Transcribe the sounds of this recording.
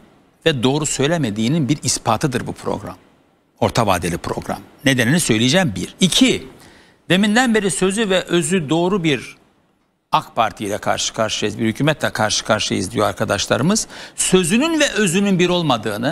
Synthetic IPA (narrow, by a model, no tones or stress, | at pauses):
vɛd̪o̞ːɾusø̞jlʲemed̪iːninbiɾispʰaːt̪ʰɯd̪ɯɾbupʰɾo̞̰ɡɾa̰m | o̞̰ɾt̪ʰava̰ːd̪elʲipʰɾo̞̰ɡɾa̰mned̪eninisø̞jlʲijd͡ʒæmbiɾicʰi | d̪e̞mind̪ænbe̞ɾisø̞zyvɛʔø̞zyd̪o̞ːɾubiɾ | akpʰaɾt̪ʰijlʲɛkʰa̰ɾʃɯ̥kʰaɾʃɯjizbiɾhycʰyːmɛt̪ʰlʲɛkʰaɾʃɯ̥kʰaɾʃɯḭzd̪ijoaɾkʰad̪aʃlˠa̰ɾɯmɯz̥sø̞zynynvɛʔø̞zynynbiɾo̞lˠmad̪ɯːnɯ